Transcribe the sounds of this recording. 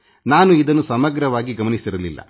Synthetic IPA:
naːnuid̪ɐnːusɐmɐɡɾɐʋaːɡiɡɐmɐnisiɾɐlilːɐ̰

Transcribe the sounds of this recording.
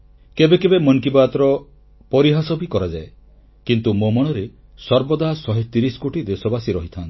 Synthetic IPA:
kebekebemɔnkibat̪ɾɔ | pɔɾiɦasɔbʱikɔɾad͡ʒae | kint̪umomɔɽ̃ɔɾe | sɔɾbɔd̪aɦsɔɦet̪iɾisɔ̥koʈid̪esɔbasiɾɔɦit̪ʰant̪ʰi̥

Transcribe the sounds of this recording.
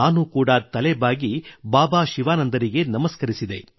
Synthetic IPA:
aːnukuːɽɐt̪ɐlɛbaːɡibaːbaːʃiʋaːnɐnd̪ɐɾiɡe̞nɐmɐskɐɾisid̪e̞

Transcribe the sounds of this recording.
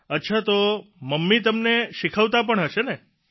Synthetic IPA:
ətːʃʰat̪oməmːit̪əmneʃikʰəʋt̪ap̬əɳɦəʃene

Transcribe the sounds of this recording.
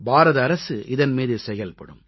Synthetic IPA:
baːɾɐðɐːɾɐsɯʔɪðɐnmiːðɯsɛjɐlpɐɽɯ̰m

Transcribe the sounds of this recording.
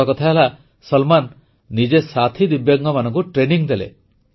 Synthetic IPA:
akɔt̪ʰaela | sɔlmanː | id͡ʒesat̪ʰid̪ibjɔɡŋɡɔmanɔŋkuʈɾeniŋd̪elḛ

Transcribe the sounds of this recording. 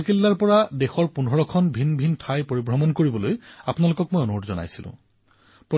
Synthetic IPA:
kilːaɹpɔɹadexɔɹpunɔɹɔkʰɔnbʱinbʱintʰajpoɹibɹɔmɔnkoɹibɔlojapʊnalokɔk̚mojonuotzɔna̰jsilʊ̰̃ | pɹɔ

